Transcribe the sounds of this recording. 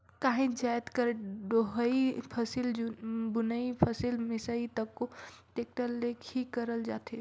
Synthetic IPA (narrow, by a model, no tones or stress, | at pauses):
kaːɦĩd͡ʒajt̪kəɾɖoɦəipʰəsilbʊnəipʰəsilmɪsait̪əkːoʈeːk̚ʈəlːekʰikəɾəld͡ʒaːt̪e